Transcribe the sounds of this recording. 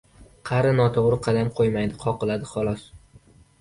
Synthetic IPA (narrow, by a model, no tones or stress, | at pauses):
qʰɑɾɪnɒt̪ʰoʁɾɪqʰɑd̪amqʰojmajd̪ɪqʰɒqɨlad̪ɪχɒlˠɒs